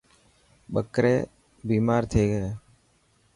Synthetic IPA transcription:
ɓəkɾḛː | biːmaːɾt̪ʰeːɡəeː

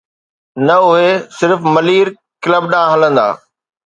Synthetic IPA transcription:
nɐʊɦesɪɾfmɐliːɾ | kɪləbɗãːɦɐlə̃nd̪a̰ː

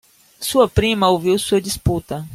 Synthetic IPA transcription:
suɐpɾĩmɐowviwsuɐd̪isput̪ɐ

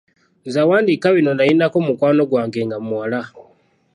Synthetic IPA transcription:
nzawaːndikaβino̞nainakomukwaːno̞ɡwaːŋɡeŋɡamuwala

